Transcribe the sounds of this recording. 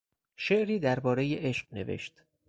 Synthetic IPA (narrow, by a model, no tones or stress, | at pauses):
ʃeʔɾiːd̪æɾbɒːɾejeʔeʃqne̞̰vḛʃt̪